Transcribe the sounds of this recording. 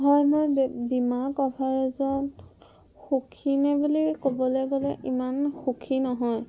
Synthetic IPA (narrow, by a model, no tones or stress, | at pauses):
ɦɔjmojbimakɔpʰaɹɛzɔt | xukʰinɛbulikobɔlojɡɔlɛʔimanxukʰinɔɦɔj